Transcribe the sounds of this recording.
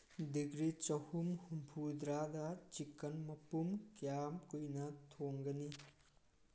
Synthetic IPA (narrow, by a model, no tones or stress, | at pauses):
diɡɾit͡ʃɐhumhumpʰud̪ɾadɐt͡ʃikːɐnmɐpumkjamkujnɐtʰoŋɡɐni